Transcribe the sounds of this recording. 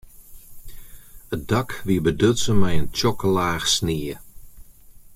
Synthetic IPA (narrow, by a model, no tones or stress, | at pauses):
ət̚dakʋiəbədøtsəmɛjənt͡ʃɔklaːxsniə